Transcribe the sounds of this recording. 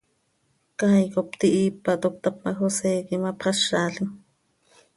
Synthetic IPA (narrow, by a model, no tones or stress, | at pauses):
kajkopt̪iʔipːat̪ok̚t̪ap̚maxoseːkimapχɑʃaɬi